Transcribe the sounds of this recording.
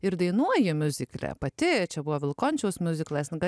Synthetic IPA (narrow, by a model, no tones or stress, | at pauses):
ɪɾd̪ɐɪnuɔjɪmʲʊzʲɪklʲɛ̰pɐt̪ʲɪt͡ʃʲɛbʊʋɔːʋʲɪlˠkoːnʲt͡ʃʲɛʊsmʲʊzʲɪklˠɐsʲnʲɡɐ